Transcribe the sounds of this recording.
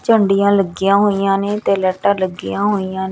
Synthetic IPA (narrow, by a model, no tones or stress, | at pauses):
t͡ʃəɳɖijãːləɡɪjãːɦoːijãːneːt̪eːlɛːʈãːləɡːɪjãːɦoːijãːn